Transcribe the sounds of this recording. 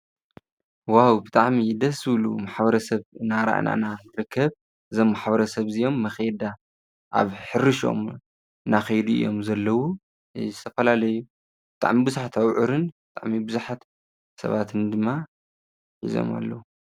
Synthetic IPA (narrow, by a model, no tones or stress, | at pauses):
wawbɨt̪ʼaʕmid̪ɐsɨwlṵmaħbɐɾɐsɐβɨnaɾa̰ʔnʔa̰naɾɨkʰːɐβ | ʔɨzo̞mːaħbɐɾɐsɐβzɨjo̞mːɐxed̪a | ʔa̰βħɨɾːɨʃo̞̰m | naxɐjd̪uɨ̰jo̞mzɐlːɐwu | zɨt̪ʰɐfɐlalɐju | b̥ɨt̪ʰʼa̰ʕmibɨzuħat̪ʰawʕɨɾɨnbɨt̪ʰʼa̰ʕmibɨzuħat̪ | sɐ̰βat̪ʰɨnd̪ɨmːa | ħḭzo̞̰ma̰lːɐwu